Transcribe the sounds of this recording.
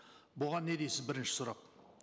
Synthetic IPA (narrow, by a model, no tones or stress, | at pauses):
bʊʁɑnːe̞d̪ejsɪzbɪɾɪnʃɪ̥sʊɾɑq̚